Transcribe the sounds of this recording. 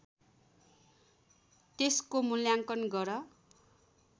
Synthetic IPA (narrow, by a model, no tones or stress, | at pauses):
t̪eskomuljaŋkʌnɡʌɾʌ